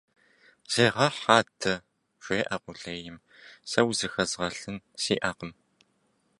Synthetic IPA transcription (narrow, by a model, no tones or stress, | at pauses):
z̥eːʁɐħaːtʰɐ | ɕʷeːʔɐqʷʼʊɬeːjɪm | sɐwzɨxɐzʁɐɬɨnsiːʔaːqəm